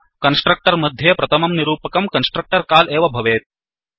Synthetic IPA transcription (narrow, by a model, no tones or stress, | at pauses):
kɐnsʈɾɐk̚ʈɐɾmɐd̪ʱːjeːpɾɐt̪ʰɐmɐmniɾuːpɐkɐmkɐnsʈɾɐk̚ʈɐɾkaːleːʋɐbʱɐʋeːt̪̚